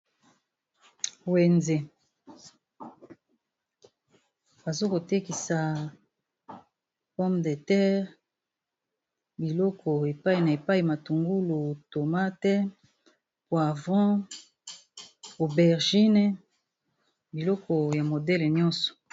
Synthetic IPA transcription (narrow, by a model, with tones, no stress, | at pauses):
we˨nze˨ | ba˨zo˦ko˨te˦ki˨sa˨ | pɔ˦mde˨tɛ˦ʁ | bi˨lɔ˦kʰɔ˨e˨pa˦i˨na˨e˨pa˦i˨ma˨tu˨ŋɡu˦lu˨to˨ma˦tɛ˦ | pwa˨vɔ̃˦ | o˨bɛ˨ʁʒi˦nɛ˨ | bi˨lɔ˦kɔ˨ja˨mo˨dɛ˦le˨ɲɔ̃˦sɔ̥˨